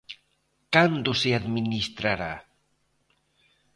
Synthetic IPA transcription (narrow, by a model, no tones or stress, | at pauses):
kand̪useaðminist̪ɾaɾa̰